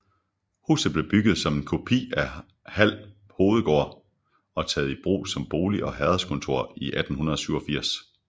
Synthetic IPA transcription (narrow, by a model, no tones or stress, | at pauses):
hṵːsð̩ˠb̥le̝b̥yɡ̥ð̞̩ˠsɒ̽me̝nkʰo̝pʰḭːæ | hæl̰ | ho̝ːð̞̩ˠɡ̥ɒ̰ːɐ | ɒ̽t͡sʰɛːð̞̩ˠib̥ʁṵːsɒ̽mb̥o̝ːliʔɒ̽ɦɛðˠɐskʰɔ̽nt͡sʰo̝ɐ̰iʔæd̥n̩hunɐð̞ˠɒsyʊɒ̽fiɐ̰s